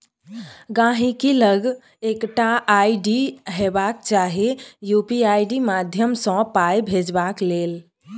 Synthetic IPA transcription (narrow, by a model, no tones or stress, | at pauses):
ɡãɦĩkiləɡ | ekʈaʔaiɖiɦebakt͡ʃaɦijupiajɖimad̪ʱjəmsɔ̃pajbʱed͡ʒbaklel